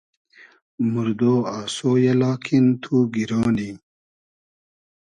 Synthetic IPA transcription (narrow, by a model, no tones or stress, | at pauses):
muɾd̪oːaːsoːjelaːkʰint̪ʰuɡiɾɑːni